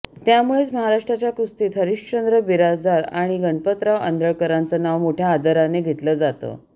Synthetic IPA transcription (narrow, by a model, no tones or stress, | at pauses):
t̪jamuɭet͡sməɦaɾaʂʈɾat͡ɕjakɾust̪iːt̪ɦəɾiʂt͡ɕənd̪ɾəbiɾad͡zd̪aɾa̰ɽ̃iɡəɳpət̪ɾaʋə̰nd̪əɭkəɾant͡sənaʋmoʈʰjaːd̪əɾaneɡʱet̪ləːd͡zat̪ə̰